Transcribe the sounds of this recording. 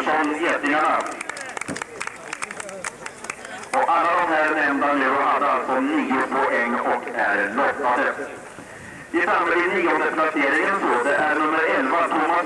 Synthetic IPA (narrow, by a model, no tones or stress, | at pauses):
sɔneːt̪nɪŋaɳa | ɔkalːad̪ɔmɦæːɾɛnɛmnd̪anʉːɾɔhad̪ːəalsɔmniːʊpʰɔʔɛŋːɔkʰæɾɭɔk̪ːad̪ə | ɪfɾamːəd̪ɪniːɔnd̪əpʰlaseːɾɪŋənsoːd̪ɛʔæɾɳɵmːəɾɛlvat̪ʰʊmːas